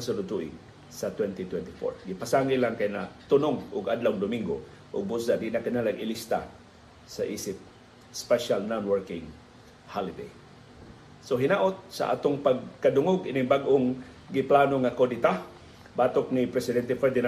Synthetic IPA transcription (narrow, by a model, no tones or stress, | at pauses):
sʊlʊt̪uʔɪ̰ | sat̪wɛnt̪it̪wɛnt̪ɪfo̰ɹɡɪpasaŋilaŋkajnat̪ʊnʊŋʊɡad̪lawŋd̪ʊmiŋɡo̰ | ʔʊɡ̚bus̬ad̪inakanalaɡʔɪlist̪a̰ | saʔiːsɪp̚ | spɛʃalnanwɛɹkɪŋ | halɪd̪ḛj | soɦɪnaʔot̪̚sa̰ʔa̰ːt̪oŋpaɡ̚kad̪ʊŋoɡʔɪnɪŋbaɡʔoŋ | ɡɪplanoŋakodit̪a | baːt̪ok̚nipɾɛsɪd̪ɛnt̪ɛfɛɾd̪ɪna